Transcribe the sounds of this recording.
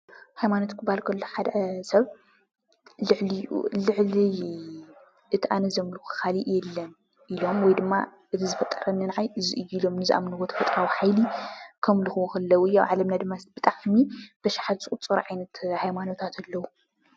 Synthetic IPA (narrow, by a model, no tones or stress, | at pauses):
hajmanot̪kʰɨbalkʰɐlːoħad̪ɐsɐβ | lɨʕlijṵlɨʕli | ʔɨt̪ʰiʔanɐzɐmlukʰɨ̥xaliʔjɛlːɐn | ʔilo̞mwɔjd̪ɨmːa̰ | ʔɨt̪ʰizɨfɐt̪ʼːɐɾɐnɨnʕajɨziʔɨjːuilo̞mnɨziʔa̰mnɨwot̪ʰɐ̥fɐt̪ʼɾawiħajlikʰɐmlɨxɨwuxɐlːɐwuɨjːa̰wʕalɐmnad̪ɨmːasb̥ɨt̪ʼaʕmib̥ɐʃḁħad̪sʼut͡sʼɐɾ̰ʕajnɐt̪hajmano̞t̪ʰat̪ʰalːɐwu